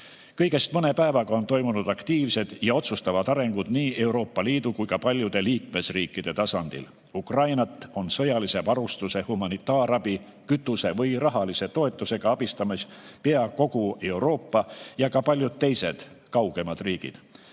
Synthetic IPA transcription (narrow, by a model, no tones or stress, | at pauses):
kɤ̞jɡ̥e̞st̪̚mɤne̞pæevɑɡ̥ɑo̞nt̪o̞jmunud̪̥ɑkt̪iːvse̞d̪̥jɑo̞t̪sust̪ɑvɑd̪̥ɑɾe̞ŋɡ̥ud̪̥niːe̞uɾo̞ːpːɑliːd̪̥ukujkɑpɑlʲjud̪̥e̞liːkme̞sriːkːˑid̪̥e̞t̪ɑsɑnd̪̥ḭl | ukrɑjnɑt̪ːˑo̞nsɤ̞jɑlise̞vɑɾust̪use̞humɑnit̪ːˑɑːɾɑbi | kyt̪ːˑuse̞vɤjrɑɦɑlise̞t̪o̞e̞t̪ːˑuse̞ɡ̥ɑɑb̥ist̪ɑmispe̞ɑko̞ɡ̥ue̞wɾo̞ːpːɑjɑkɑpɑlʲjud̪̥̚t̪e̞jse̞d̪̥ | kɑwɡ̥e̞mɑd̪riːɡ̥ḭd̪̥